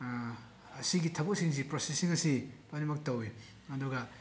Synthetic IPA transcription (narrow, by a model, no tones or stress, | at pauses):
ɐsiɡitʰɐbɐk̚siŋzipɾosesiŋɐsipanimɐk̚tɐwe | ɐduɡɐ